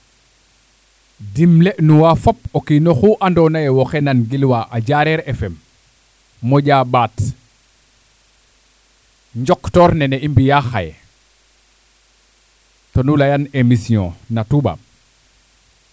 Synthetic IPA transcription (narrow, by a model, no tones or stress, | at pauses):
dimlenuwafopokinoxuʔandɔnajɛwoxenanɡilwaʔaɟaɾɛɾefɛmː | oɟabat | ɲd͡ʒɔktɔːɾnɛneimbijaxa̰j | tonulajanemisiɔ̰̃natuba̰m